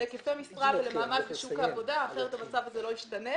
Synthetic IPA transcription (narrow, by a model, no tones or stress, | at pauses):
ekefemisʁavelemaːmadbeʃukavo̞daːχeʁet̪amat͡savazelo̞jiʃtane̞